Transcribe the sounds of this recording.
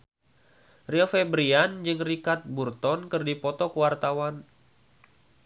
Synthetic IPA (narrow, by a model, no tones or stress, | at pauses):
riɔfebɾiand͡ʒɨŋrikat̪̚burt̪ɔnkɨrdipɔt̪ɔkəwart̪awan